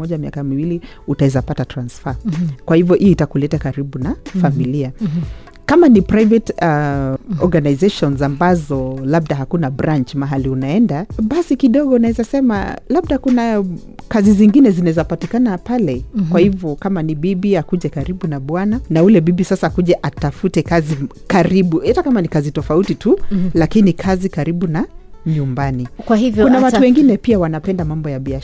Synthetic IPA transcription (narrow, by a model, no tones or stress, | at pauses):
ɔʄamia̰kamiwili | utaɛzapatatɾansfakwahivjɔʔijitakulɛtakaɾiɓunafamilia | kamanipɾajvɛt | ɔɾɡanajzeʃɔnzambazɔlab̚daɦakunabɾaɲt͡ʃmaɦaliunaɛndaɓasikiɗɔɡɔunaɛzasɛma̰laɓ̚ɗakuna | kaziziŋɡinɛzinaɛzapatikanapalɛkwahivjɔkamanibiɓiakuʄɛkaɾiɓunaɓwananaulɛɓiɓisasaːkuʄɛʔatafutɛkazi | kaɾiɓuɛtakamanikazitɔfautitulakinikʰazikaɾiɓuna | ɲumbanikwahivjkunawatuwɛŋɡinɛpiawanapɛndamambɔjaɓia